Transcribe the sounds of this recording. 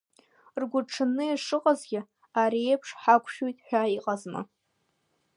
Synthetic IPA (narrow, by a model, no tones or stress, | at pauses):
rɡʷʊʈ͡ʂʰɨnːɨiʂɨqʼazɡʲɪ | aɾiepʰʂħakʷʰʃujtʼħʷᶣaiqʼazma̰